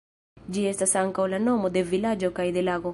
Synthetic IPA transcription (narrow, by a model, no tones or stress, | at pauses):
d͡ʒiest̪asaŋkawlanomod̪evilad͡ʒokajd̪elaɣo